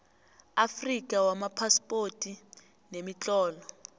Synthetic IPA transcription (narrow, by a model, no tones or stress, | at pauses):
afrik̬ʼawamapʰaspʼotʼi | nemit͡ɬʼɔːlɔ